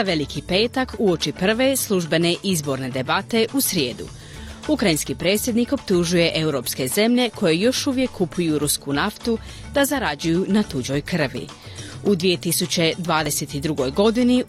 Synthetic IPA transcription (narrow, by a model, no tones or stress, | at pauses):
zaʋe̞likʰipe̞ːt̪akuo̞t͡ʃipr̩ʋe̞slˠuʒbe̞ne̞ʔizbo̞ɾne̞d̪e̞bat̪e̞ʔusɾje̞ːd̪ṵ | ukɾainskipɾe̞ːt̪sʲjed̪niko̞pt̪uʒuje̞ʔe̞uɾo̞pske̞ze̞mʎe̞kʰo̞je̞jo̞ʃuʋje̞kʰːupʰujuɾuskunaft̪u | d̪̥azaɾad͡ʑujunat̪ud͡ʑo̞jkr̩ʋḭ | ud̪ʋije̞t̪isut͡ɕe̞d̪ʋaːd̪e̞se̞t̪id̪ɾuɡo̞jɡo̞d̪ini